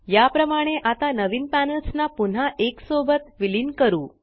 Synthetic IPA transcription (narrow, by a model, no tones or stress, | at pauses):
japɾəmaɽ̃eʔat̪anəʋinpænəlsnapun̤aʔeksobət̪ʋilinkəɾũ